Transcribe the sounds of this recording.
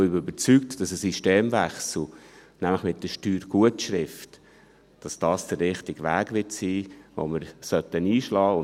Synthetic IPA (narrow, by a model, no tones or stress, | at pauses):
ʏbbəɾt͡syk̚td̥ɑsəsiʃteːmvæχsl̩ˠ | næmləχmɪt̚dəʃtyːɾɡ̥uətʃɾɪft | d̥ɑsd̥ɑːsd̥ərːɪχtɪɡ̥ʋæ̰ːɡʋɪtsiːvo̰məɾsœtəniːʃlɑːʊ